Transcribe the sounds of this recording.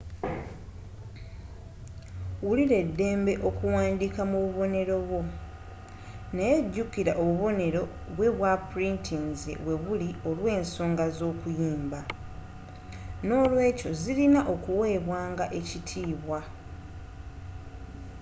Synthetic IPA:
wuliɾe̞dːe̞ːmbe̞ʔo̞kuwaːndikamuβuβo̞ne̞ɾo̞βwo̞ | nejeɟːukiɾaʔoβuβo̞ne̞ɾo̞ | βwe̞βwapuɾintʰinzḛwe̞βulio̞lwe̞ːnso̞ːŋɡazo̞ːkujiːmba | no̞ːlwe̞ːco̞zilinaʔo̞kuwe̞ːβwaːŋɡaʔe̞citʰiːβwa

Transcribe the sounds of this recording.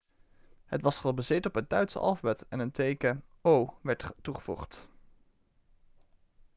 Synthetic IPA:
ɦətʋɑsχəbazɪtɔpɦət̚d̥œɥtsə̰ʔɑ̰lˠvəbɛtɛnəntejkəowʋɛɹttuχəvṵχt

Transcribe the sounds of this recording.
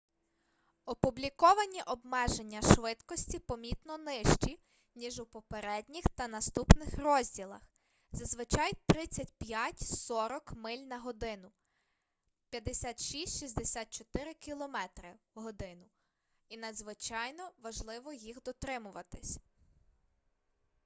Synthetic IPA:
ɔpʊblʲikɔʋɐnʲiʔɔbmɛʒe̞nʲːɐʃʋɪt̪kɔsʲtʲipɔmʲit̪nɔnɪʃt͡ʃi | nʲiʒupɔpeɾɛdʲnʲixt̪ɐnɐst̪upnɪxrɔzʲdʲilˠɐ̰x | zɐzʋɪt͡ʃɑjt̪ɾɪt͡sʲɐtʲpʲjatʲsɔɾɔkmɪlʲnɐɦɔd̪ɪnʊ | pʲjɐd̪esʲat̪ʃisʲtʲʃisʲd̪esʲat̪̚t͡ʃɔt̪ɪɾɪkʲilˠɔmɛt̪ɾɪ | ɦɔd̪ɪnʊ | inɐd̪zʋɪt͡ʃɑjnɔʋɐʒlˠɪʋɔjixd̪ɔt̪ɾɪmʊʋɐt̪ɪsʲ

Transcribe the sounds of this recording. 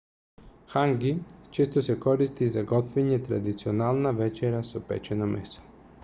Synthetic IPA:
xaŋɡit͡ʃɛst̪osɛkɔɾist̪izaɡɔt̪vɛɲɛt̪ɾa̰d̪it̪sionalˠnavɛt͡ʃɛɾasopɛ̰t͡ʃɛnomɛso̥

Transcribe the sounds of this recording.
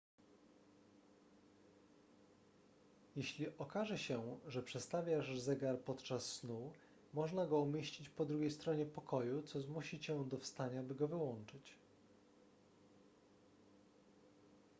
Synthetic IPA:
jeɕlʲiʔɔkaʐɛɕɛʐɛpʂɛt̪st̪avʲjaʐzɛɡaɾpɔt̪t͡ʂasːnu | mɔʐnaɡɔumʲjeɕt͡ɕit͡ɕpɔd̪ɾuɡʲejst̪ɾɔɲɛpɔkʰɔjut̪sɔzmuɕit͡ɕɛd̪ɔfst̪aɲabɘɡɔvɘwɔnt͡ʂɘt͡ɕ

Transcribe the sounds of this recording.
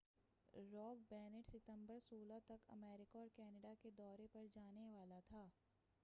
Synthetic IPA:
ɾɔːk̚bɛːneʈsɪt̪ə̃mbəɾsoːlat̪ɐkɐ̰mɛːɾɪkaɔːɾkɛːnəɖaked̪ɔːɾepɐɾd͡ʒaːneʋaːlat̪ʰaː

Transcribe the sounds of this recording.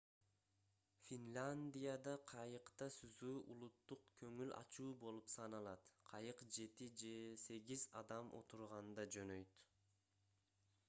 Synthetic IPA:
fʲinlʲanʲd̪ʲijad̪ɑqʰɑjɯqt̪ɑsyzuːʔulˠut̪ːuqkʰøŋylɑ̰t͡ʃuːbo̞lˠupsɑnɑlˠɑt̪qʰɑjɯqd͡ʒe̞t̪id͡ʒe̞se̞ɡʲizɑd̪ɑmʔo̞̰t̪uɾʁɑnd̪ɑd͡ʒø̞nøjt̪

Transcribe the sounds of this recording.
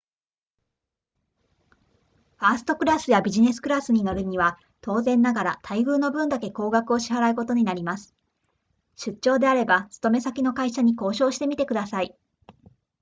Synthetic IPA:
ɸaːsɨ̥t̪o̞kɯ̟ɾasɨjabʲiʑine̞sɨ̥kɯ̟ɾasɨɲ̟ino̞ɾɯ̟ɲ̟iβa | t̪o̞ːzẽ̞nːaɡaɾat̪ʰaiɡɯ̟ːno̞bɯ̟̃nd̪ake̞ko̞ːɡakɯ̟o̞ɕiɦaɾaɯ̟ko̞t̪o̞ɲ̟inaɾʲimasɨ̥ | ɕɨt͡ɕɕo̞ːd̪e̞aɾe̞bat͡sɨ̥t̪o̞me̞sakʲino̞kaiɕaɲ̟iko̞ːɕo̞ːɕi̥t̪e̞mʲit̪e̞kɯ̟d̪asai

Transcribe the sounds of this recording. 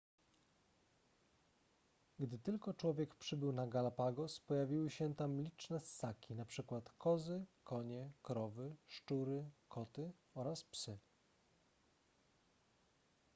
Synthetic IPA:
ɡd̪ɘt̪ɘlkɔt͡ʂwɔvʲjɛkpʂɘbɘwnaɡalapaɡɔspɔjavʲiwɘɕɛt̪amlʲit͡ʂnɛsakʲinapʂɘkwat̪kɔzɘkɔɲɛkɾɔvɘʂt͡ʂuɾɘkʰɔt̪ɘɔɾaspsɘ

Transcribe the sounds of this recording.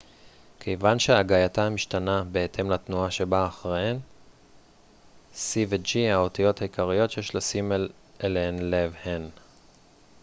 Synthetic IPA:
kʰejvanʃeaɡajatamiʃtanabe̞etʰe̞mlatnuaʃe̞baːχʁeen | sived͡ʒihao̞tijo̞thaikaʁijo̞t̪jeʃlasimel | ʔelenlevhen

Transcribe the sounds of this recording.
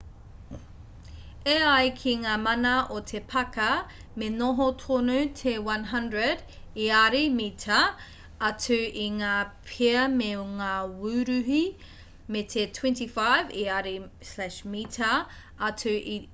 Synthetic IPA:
eɐjkʰiŋaːmɐnɐotʰepʰɐkɐ | menoɦotʰonutʰewɐ̃nɦɐndɹəd | iaɾimitʰɐ | ɐtʉiŋaːpʰeɐmeŋaːwʉɾʉɦi | metʰetʰwɛ̃ntifajviaɾislæʃmitʰɐ | ɐtʉʔi

